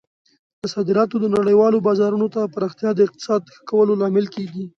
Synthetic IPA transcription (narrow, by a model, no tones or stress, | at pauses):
d̪̥əsɑd̪ɪɾɑt̪od̪ənaɽəjwɑlobɑzɑɾunot̪apaɾɑxt̪jɑd̪əɪq̚t̪ɪ̥sɑd̪̚xə̥kawəlolɑmɪlkeɡi